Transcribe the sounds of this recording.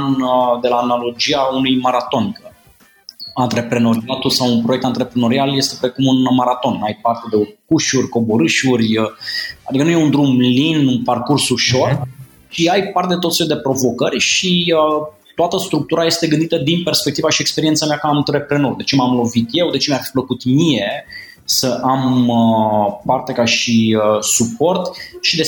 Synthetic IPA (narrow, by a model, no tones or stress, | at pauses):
nd̪e̞laːnalo̞d͡ʒiaunujmaɾat̪o̞nikə | ant̪ɾe̞pɾe̞no̞ɾiat̪usawunpɾoe̞k̚t̪ant̪ɾe̞pɾeno̞ɾialje̞st̪e̞pɾe̞kumunmaɾat̪o̞najpart̪e̞d̪e̞kuʃurʲko̞bo̞ɾɨʃurʲəa̰d̪ikənuje̞und̪ɾumlinunparkursuʃo̞r | ʃiajpart̪ed̪et̪ot̪feld̪e̞pɾo̞vo̞kərʲʃiə | t̪oat̪əst̪ɾuk̚t̪uɾaje̞st̪e̞ɡɨnd̪it̪əd̪inpe̞rspek̚t̪ivaʃiekspeɾiet̪sameakant̪ɾe̞pɾe̞nowd̪e̞t͡ʃe̞mamlo̞vit̪je̞wd̪e̞t͡ʃemafi̥pləkut̪mije̞ | səʔaməpart̪e̞kaʃiəsupo̞rt̪ʃid̪e